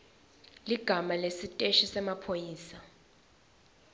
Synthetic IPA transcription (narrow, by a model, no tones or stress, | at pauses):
liɡ̥ʱamalesitʼeʃisɛmapʰojiːsa